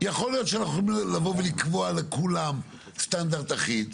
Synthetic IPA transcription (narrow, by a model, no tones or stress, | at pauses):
jaχo̞lijo̞t̪ʃeanaχuilavo̞velikvoalekulam | st̪and̪aʁd̪aχid̪